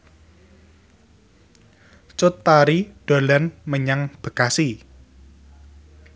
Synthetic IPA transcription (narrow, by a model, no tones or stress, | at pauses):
t͡ʃʊt̪ːaɾiɖ̥o̤lanməɲaŋb̥ə̤kasi